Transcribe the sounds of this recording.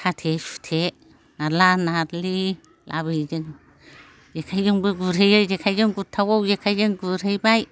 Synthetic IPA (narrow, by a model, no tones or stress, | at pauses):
kʰat̪ʰeʃu̥t̪ʰe | nalanali | lʔa̰βijəŋ | jekʰajəŋbeɡuɾejejekʰajəŋɡut̪ʰawowjekʰajeŋɡuɾejbaj